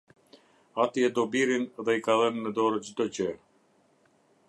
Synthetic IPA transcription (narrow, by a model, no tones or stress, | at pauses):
at̪iɛd̪ɔbiɾinðɛikaðənmɛd̪ɔɾəd͡ʑd̪ɔcə